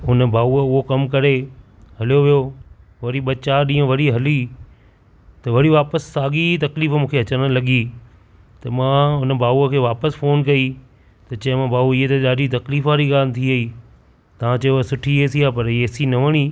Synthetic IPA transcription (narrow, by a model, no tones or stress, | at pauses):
ʊnəbʱaːuəʊɦokɐmkɐɾe | ɦɐlijoʋijo | ʋɐɾiɓɐt͡ɕaːɗĩːə̃ʋɐɾiɦɐli | t̪ɐʋɐɽiʋaːpəsːaːɠit̪ɐkliːfmũːkʰeɦɐt͡ɕəɽ̃ɽ̃lɐɠi | t̪ɐmãʊnə̆bʱaːuəkʰeːʋaːpəsfoːnkɐi | t̪ɐt͡ɕɐ̃ɦɪ̃mãbʱaːuiɦet̪ɐɗaːɗit̪ɐkliːfaːɾiɠaːlt̪ʰiɐiː | t̪ɐʋãt͡ɕɐasʊʈʰieːsiaːpɐɾeːsinɐʋəɽ̃iː